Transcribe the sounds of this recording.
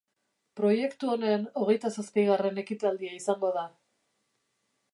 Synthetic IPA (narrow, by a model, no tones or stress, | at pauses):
pɾo̞je̞kt̪uo̞ne̞ːno̞ɣe̞jt̪asaskajɣ̞are̞ne̞kit̪ald̪iaisaŋɡo̞ða